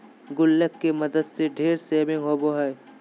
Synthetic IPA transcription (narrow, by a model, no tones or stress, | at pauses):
ɡʊlːəkːemɐd̪əd̪seɖʱeːɾseːbɪ̃ŋɡɦoːboɦɛː